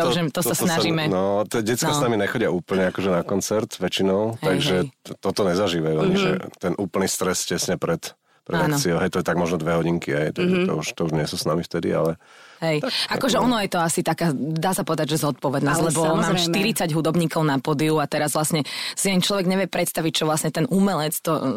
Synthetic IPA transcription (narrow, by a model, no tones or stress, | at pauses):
ʒɛt̪ɔasnaʒiːmɛnɔt̪ɛɟɛt͡sk̪asnamiɲɛxɔɟɪauːpl̩ɲɛakɔʒɛnakɔnt͡sɛɾt̪ʋɛt͡ʃinɔʊɦ̪aɡʒɛt̪ɔt̪ɔɲɛzaʒiːʋajuɔɲiʒɛ̰t̪ɛnʔuːpl̩nist̪ɾɛscɛsɲɛpɾɛt̪ | pɾʔɛd̪ank̪t͡siɔʊɦɛjt̪ɔjɛt̪aɡmɔʒnɔd̪ʋɛɦɔɟiŋkiɦɛjt̪aɡʒɛt̪ɔ̰uʃt̪ɔuʒɲɪɛsuːsnamift̪ɛd̪ḭa̰lɛ | ɦɛjakɔʒɛɔnɔjɛt̪ɔasit̪akaːd̪aːsapɔʋɛd̪aɟʒɛzɔt̪̚pɔʋɛd̪nɔslɛbɔmmaːmʃt̪iɾit͡saɟɦud̪ɔbɲiːkɔʊnapɔd̪iuat̪ɛɾazʋlasɲɛsiant͡ʃlɔʋɛɡɲɛʋɪɛpɾɛt̪st̪aʋic̚t͡ʃɔʋlasɲɛt̪ɛnʔumɛlɛt͡st̪ɔ